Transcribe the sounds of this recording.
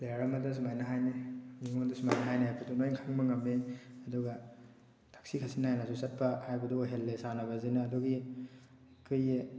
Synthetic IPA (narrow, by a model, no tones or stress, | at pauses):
laaɾɐmɐdɐs̬umajnɐɦajnimiŋondasumajnɐɦajniajbadunojŋkʰaŋmɐŋɐmːeɐduɡa | tʰak̚sikʰasinajnasusɐt̚pɐhajbɐduɦelːesanɐbɐzinaːduɡi | kʰɯj